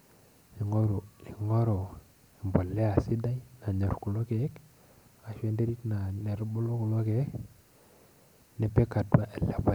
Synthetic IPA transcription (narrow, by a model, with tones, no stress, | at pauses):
i˨ŋo˦ɾu˨i˨ŋɔ˦ɾo˨ | i˨mbo˨lɛ˦a˨si˦da˦ina˨ɲɔ˨ɾku˨lo˦ke˨˦k | a˨ʃwe˦nde˦ɾi˦tna˨ne˨ɾbo˦lo˦ku˨lo˦ke˨˦k | ne˨pe˦ka˨twa˦ʔɛ˨le˨ba˨